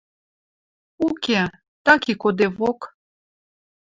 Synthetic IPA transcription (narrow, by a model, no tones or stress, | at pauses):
ukʲe | t̪akikod̪evok